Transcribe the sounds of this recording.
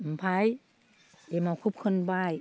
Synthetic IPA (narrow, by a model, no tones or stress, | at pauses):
m̩pʰaj | emawkʰup̚kʰɯnbaːj